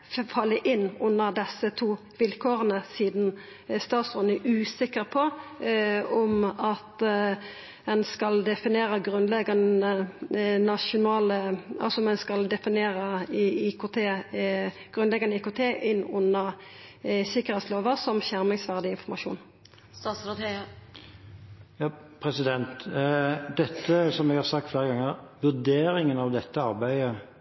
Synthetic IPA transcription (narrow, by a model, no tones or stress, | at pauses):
fɑlːəʔɪnːʊnːəʁd̪ɛsːət̪ʰuː | ʋɪlkʰoːʁənəsiːd̪n | st̪ɑːt̪sʉnəʔʉːsɪkəʁpʰɔ | ɔmɑt̪ | ɛnskɑld̪ɛfɪneːɾəɡʁʉnlɛɡɑnə | nɑʃʊnɑːləɑ̰lsɔmɛnskɑld̪ɛfɪneːɾəikʊt̪ʰeː | ɡ̥ʁʉnlɛɡɑnəiːkoːt̪ʰeːʔɪnːʊnːəʁ | sɪkːəʁhɛt̪sloːʋəʁsɔmʃæʁmɪŋsʋæʁd̪ɪɪnfɔmɑʃṵːn | st̪ɑːs | jɑːpʰɾɛsɪd̪ɛnt̪ | d̪ɛt̪ʰːəsɔmɛɡhɑsɑk̚t̪fleːɾəɡɑŋːəʁʋʉd̪eːɾɪŋənɑʋd̪ɛt̪ʰːəɑʁbæɪə